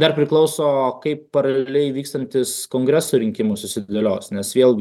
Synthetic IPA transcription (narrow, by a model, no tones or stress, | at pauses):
d̪ɐrpʲɾʲɪklˠɐʊsoːkɐɪpːɐɾɐlʲlʲelʲɛɪʋʲiːkst̪ɐnʲt̪ʲɪskoːŋɡɾʲɛsuːɾʲɪŋʲkʲɪmʊsʊsʲɪd̪ʲɐlʲoːsnʲɛsʋʲeːlˠɡʲɪ